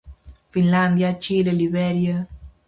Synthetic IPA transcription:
finland̪jat͡ʃileliβɛɾjə

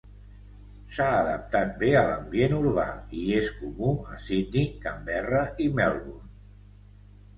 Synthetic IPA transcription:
saːðə̰p̚t̪at̪̚beələ̰mbjenuɾβa̰ieskumuəsid̪nikambɛrəʔimɛlˠβun

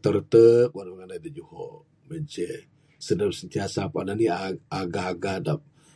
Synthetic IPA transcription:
t̪əɾt̪ək̚wanməŋanadəd͡ʒuhɔ | məd͡ʒə | sədamsənt̪iasapananiaaɡahaɡahdap̚

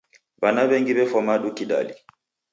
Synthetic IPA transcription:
banaβɛŋɡiβɛfɔmaɗukiɗa̰li

